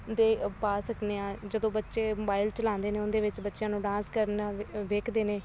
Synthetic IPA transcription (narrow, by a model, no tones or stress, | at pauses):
d̪eːpaːsəkneːãːd͡ʒəd̪õːbətːʃeːmoːbaːɪlt͡ʃəlãːnd̪eːneːʊnd̪eːʋɪt͡ʃbətːʃjãːnũːɖãːskəɾnaʋeːkʰd̪eːneː